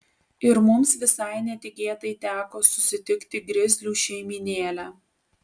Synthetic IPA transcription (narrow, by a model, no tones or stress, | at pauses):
ɪɾmʊmsʋʲɪsɐɪnʲɛt̪ʲɪkʲeːt̪ɐɪt̪ʲæːkoːsʊ̥sʲɪt̪ʲɪkt̪ʲɪɡɾʲɪzʲlʲuːʃʲɛɪmʲiːnʲeːlʲæː